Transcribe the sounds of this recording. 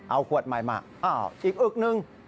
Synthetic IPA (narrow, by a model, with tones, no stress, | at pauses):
ʔa˧wkʰu˨˩ət̪̚ma˨˩jma̰˧˩ʔaː˧˩˨ʔiː˨˩k̚ʔɯ˨˩k̚nɯ˧ŋ